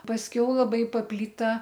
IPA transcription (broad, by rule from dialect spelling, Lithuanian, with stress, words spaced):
pɐsʲˈkʲɛʊ lˠɐˈbɐɪ pɐpʲˈlʲiːtɐ